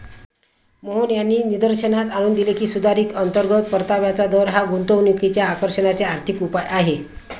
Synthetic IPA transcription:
məɦunjanːiːnid̪əɾɕənat̪aɽ̃uːnd̪ilekiːsud̪ʱaɾiːkənt̪əɾɡʱət̪̚pəɾt̪aʋjat͡sad̪ɔɾɦaɡunt̪əʋnjukit͡ɕjaːkəɾɕənat͡seaɾt̪ʰikupajʔaɦe

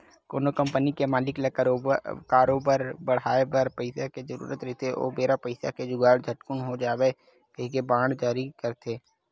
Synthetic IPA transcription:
ko̰ːnokə̃mpənikemaːlɪklə | kaːɾoːbəɾbəɽ̤aːebəɾpəɪsaked͡ʒəɾṵːɾət̪ɾit̪eʔo̰ːbeːɾapəɪsa̰ked͡ʒʊɡaːɽd͡ʒʱəʈkʊnɦod͡ʒaːʋe | kɐɦkebãːɽd͡ʒaːɾikəɾt̪ʰeː

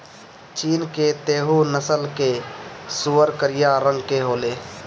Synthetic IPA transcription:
t͡ʃiːnket̪eːɦunəsəlkesuːəɾkəɾɪjaɾə̃ŋɡkeɦoːleː

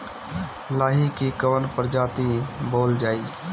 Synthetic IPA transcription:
laːɦikikəʋənpəɾd͡ʒaːt̪iboːld͡ʒaːi

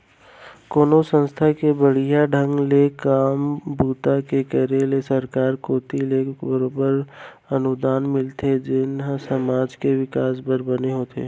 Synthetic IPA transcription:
koːnosə̃nst̪ʰakebəɽ̤ijaɖʱə̃ŋɡlekaːmbuːt̪akekəɾelesəɾkaːɾkoːt̪ilebəɾoːbəɾ | ɐnʊd̪aːnmɪlt̪ʰed͡ʒɪnɦsəmaːd͡ʒkeʋɪkaːsbəɾbəneɦoːt̪ʰḛː

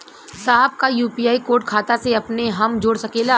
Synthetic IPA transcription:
saːɦəb̚kajuːpiːjaːikoːɾʈ̚kʰaːt̪aseɐpneɦɐmd͡ʒoːɽsɐkeːla

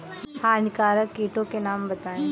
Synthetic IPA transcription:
sʰãːnkaːɾəkːiːʈõkenaːmbɐt̪aːẽ

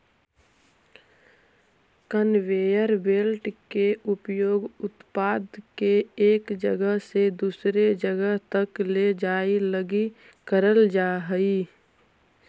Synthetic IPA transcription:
kənʋeːjəɾbeːlʈkeʊpjoːɡʊt̪paːd̪keeːkd͡ʒəɡəɦsed̪uːsɾed͡ʒəɡəɦt̪əkled͡ʒaːiləɡi | kəɾəld͡ʒaːɦəi

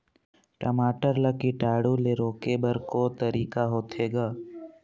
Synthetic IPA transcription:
ʈɐmaːʈəɾləkiʈaːɽuleɾoːkebəɾkot̪əɾiːkaɦoːt̪ʰeːɡaː

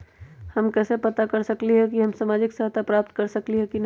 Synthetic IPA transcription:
hɐmkɛːsepɐt̪akɐɾsɐkliɦɛkiɦɐmsaːmaːd͡ʒɪksaɦt̪ʰapɾaːp̚t̪̚kɐɾsɐkliɦɛkin

